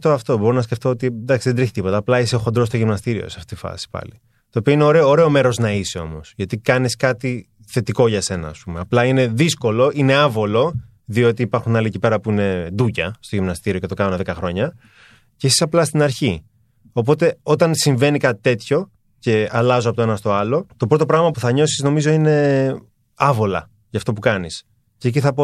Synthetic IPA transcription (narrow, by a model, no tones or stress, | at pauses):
t̪oɐft̪o̞bo̞ɾonɐsceft̪o̞ot̪ind̪ɐksiðe̞d̪ɾiçit̪ipo̞t̪ɐːplɐiseoxo̞nd̪ɾost̪o̞ʝimnɐst̪iɾio̞̰sɐft̪et̪ifɐ̰si̥pɐ̰li | t̪o̞ːpio̞ineoɾeːɾe̞o̞me̞ɾo̞znɐiseo̞̰mo̞sʝɐt̪ikɐniskɐt̪i | θe̞t̪iko̞ʝɐse̞nɐ̰ːspume̞ɐplɐine̞ðisko̞lo̞ʔine̞ɐvo̞lo̞ | ðio̞t̪iːpɐɾxunɐliecipe̞ɾɐpuine̞d̪ucɐst̪oʝimnɐst̪iɾio̞cet̪o̞kɐnonðekɐxɾo̞ɲɐ | cesisɐplɐst̪inɐɾçi | o̞p̬o̞t̪e̞o̞t̪ɐnsiɱve̞nikɐt̪i̥t̪e̞t̪ço̞ | ce̞ɐlɐzoɐpot̪oe̞nɐst̪o̞ɐlo̞t̪o̞pɾo̞t̪̬opɾɐɣmɐpuθɐɲo̞sizno̞mizo̞ine̞ | ɐvo̞lɐ̰ | ʝɐft̪o̞p̬ukɐnis | ce̞ːc̬iθɐpo